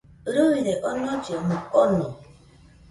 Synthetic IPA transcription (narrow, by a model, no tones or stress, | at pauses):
ɾoɣiɾeʔɔnɔt͡ʃomuɔnɔ